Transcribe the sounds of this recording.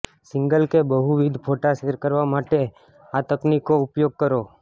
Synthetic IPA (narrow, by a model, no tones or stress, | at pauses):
sɪ̃ŋɡəlkebəɦuʋɪd̪ʱpʰoːʈaseɾkəɾʋamaʈe | at̪əknikːoʊpjoːɡ̚kəɾo